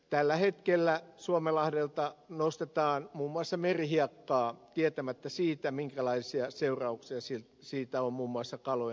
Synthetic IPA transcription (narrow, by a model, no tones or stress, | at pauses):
t̪ælːæhet̪kelːæsuomelɑhdelt̪ɑnost̪et̪ɑːnmuːmːuɑsːɑmerihiɑkːɑːt̪iet̪æmæt̪ːæsiːt̪æmiŋkælɑisiɑseurɑuksiɑsilt̪siːt̪æommuːmːuɑsːɑkɑlo